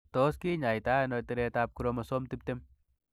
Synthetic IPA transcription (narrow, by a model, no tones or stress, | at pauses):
t̪oːskiːɲajt̪aːnot̪ɐɾeːt̪aːp̚kuɾomɐsomt̪ip̚t̪em